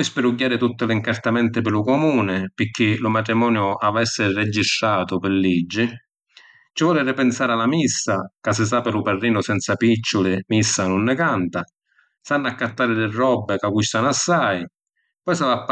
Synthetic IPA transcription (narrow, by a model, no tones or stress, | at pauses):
pɔjspɪɾuɟːaːɾɪt̪ut̪ːɪlɪiŋkart̪amɛnt̪ɪpɪlʊkɔmuːnɪpɪk̟ːɪlʊmat̪ɾimɔːnjʊʔavɛsːɪrɛd͡ʒːist̪ɾaːt̪ʊpɪlːid͡ʒːɪ | t͡ʃɪvɔːlɪɾɪpɪnsaːɾalamisːakas̬ːɪs̬aːpɪlʊparːiːnʊsɛnt̪sapit͡ʃːʊlɪmisːanʊnːɪkant̪a | sanːakːat̪ːaːɾɪd̪ɪrːɔbːɪkaɡust̪anasːaj | pɔjsavapː